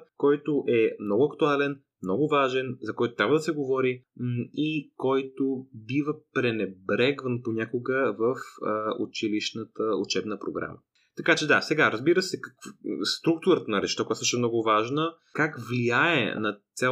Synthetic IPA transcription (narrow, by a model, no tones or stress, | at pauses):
kɔjt̪oʔɛmnɔɡʊɐkt̪ualɛn | mnɔɡʊvaʒɛnzɐkɔjt̪ʊ̥t̪ɾʲabvəd̪ɐsɛɡovɔɾiikɔjt̪obivəpɾɛnɛbɾɛɡvənpoɲʲakʊɡəvəfṵt͡ʃiliʃnət̪əṵt͡ʃɛbnəpɾo̰ɡɾa̰mə̰ | t̪ɐkat͡ʃɛd̪asɛɡaɾəzbiɾəsɛkɐkvst̪ɾuk̚t̪ʊɾət̪ənɐɾɛt͡ʃt̪akojat̪səʃɛmnɔɡʊvaʒnə | kakvliaɛ̰nɐt̪sʲa